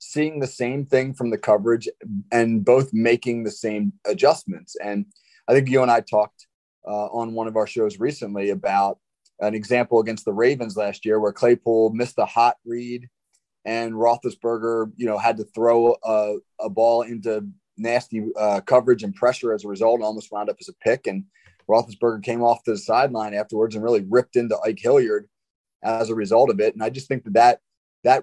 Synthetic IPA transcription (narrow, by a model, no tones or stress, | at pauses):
siɪ̃ŋðɨsẽɪ̃mθɪ̃ŋfɹʌ̃mðɨkʰʌvə˞ɨd͡ʒɨ̃nboʊθmeɪkɪ̃ŋðɨsẽɪ̃mɨd͡ʒʌsmɨ̃ntsɨ̃n | aɪθɪ̃ŋk̬jɨə̃ñaɪtʰɔk̚t | ʔʌə̃nwʌ̃ñʌvaʊə˞ʃoʊzɹisɨ̃nliɨbaʊɾ̚ | ʔɨ̃nɨɡzæ̃mpl̩ˠəɡɛ̃nst̪̚ðəɹeɪvɨ̃nzlæst̚jɪɹwə˞kʰl̥eɪpʰɔlˠmɪsðəhɑt̚ɹiɾ | ʔɨ̃nɹɔθəzb̥ɜ˞ɡə˞jɨñoʊɨd̚tɨθɹoʊʌ | əbɔlˠɪ̃ntʉ | næstiʌkʰʌvə˞ɨd͡ʒɨ̃npʰɹ̥ɛʃə˞ɨzəɹɨzʌlˠtɔlˠmoʊst̚ɹãʊ̃ndʌpɨzəpʰɪkɨ̃n | ɹɔθəsb̥ɜ˞ɡə˞kʰẽɪ̃mɔftʰɨðəsaɪdˡlãɪ̃næftə˞wə˞dzɨ̃nɹɪlˠiɹɪp̚tɪ̃ntəʔaɪkhɪlˠjə˞d | ʔəzəɹɨzʌlˠɾʌvɪtn̩aɪd͡ʒʌs̚θɪ̃ŋk̚ðɨt̪̚ðɨt̪̚ | ðɨt̚